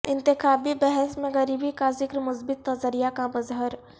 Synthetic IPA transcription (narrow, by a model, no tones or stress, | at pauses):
ɪ̃nt̪ɪxaːbibɛɦɛsmẽɣɐɾiːbikazɪkɾmʊsbɪt̪nɐzəɾijakamɐzɦəɾ